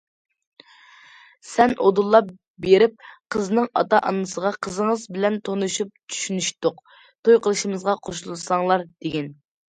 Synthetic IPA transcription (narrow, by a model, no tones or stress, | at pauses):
sɛnʔod̪ulˠːɑp | beɾɪp̚qʰəznɨŋɑ̰t̪ɑʔɑnːɨsəʁɑqʰəzəŋəzbɪlɛnt̪ʰonuʃup̚t͡ʃʰy̥ʃynyʃt̪ʊq | t̪ʰojqʰəlˠɨʃimɨzʁɑqʰoʃulˠɨsɑŋlˠɑɾd̪̥eɡʲɛn